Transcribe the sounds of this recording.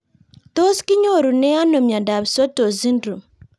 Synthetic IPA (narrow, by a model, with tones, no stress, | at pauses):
to˦ski˦ɲo˦˨ɾu˨nɛ˦a˦no˨mja˨nda˨βi˨so˦to˨zi˦ndɾu˨